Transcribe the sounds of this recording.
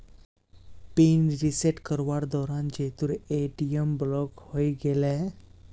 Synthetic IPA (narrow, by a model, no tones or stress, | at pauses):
pinɾiseʈkəɾʋaɾd̪ɔɾãnd͡ʑet̪uɾeʈiəmblɔkhojɡelɛ